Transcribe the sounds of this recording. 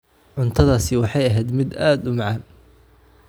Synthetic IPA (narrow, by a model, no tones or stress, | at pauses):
ʕʊnt̪ʰɐðaːsɪwɑħɑjɐɦɛjd̪mɪd̪aːd̪ʊmɑʕɑːn